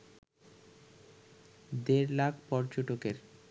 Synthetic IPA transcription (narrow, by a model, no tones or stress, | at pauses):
d̪eɾlaɡpɔɾd͡ʑoʈokeɾ